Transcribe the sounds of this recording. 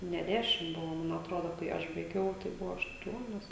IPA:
nʲɛ dʲˈæːʃʲɪm ˈbʊʋoː ˈmɐn ɐtˈroːdoː kɐɪ ˈɐʃ bɐɪˈɡʲɛʊ tɐɪ ˈbʊʋoː ɐʃˈtuɔnʲoːs

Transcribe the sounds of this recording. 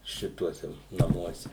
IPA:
ˈʃʲɪtuɔsʲɛ nɐˈmuɔsʲɛ

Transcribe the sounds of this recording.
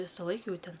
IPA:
ˈʋʲɪsɐˌlˠɐɪk ˈjɛʊ ˈtʲɛn

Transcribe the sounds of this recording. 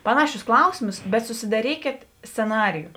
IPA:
ˈpɑːnɐˌʃʲʊs ˈklˠɐʊsʲɪmʊs bʲɛt sʊsʲɪdɐˈrʲiːkʲeːt sʲt͡sʲɛˈnɑːrʲɪjʊ

